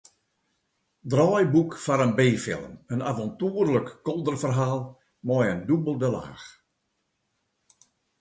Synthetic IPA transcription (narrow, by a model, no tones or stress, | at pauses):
drɔjbukfaɾənbeːfɪ̰lˠəmənavɔntuərləkːɔlˠdərfərɦaːlˠ | mɔjəndubəlˠdəla̰ːx